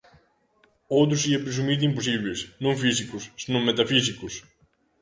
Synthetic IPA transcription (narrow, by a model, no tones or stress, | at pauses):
ot̪̬usiepisumit̪imposivisnonfisikosnonmet̪ɐfisikos